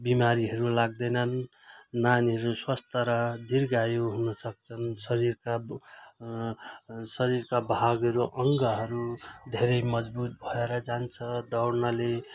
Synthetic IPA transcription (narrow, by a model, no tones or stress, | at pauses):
bimaɾiɦʌɾulaɡ̚d̪ʌjnʌnː | anɦʌɾuswast̪aɾʌd̪irɡajoɦunʌsʌkt͡sʰʌnsʌɾiɾka | sʌɾirkabʱaɡɦʌɾuʔʌŋɡʌɦʌɾud̪ʱeɾʌjmʌd͡zbut̪̚bʱʌeɾʌd͡zant͡sʰʌd̪ʌwrnale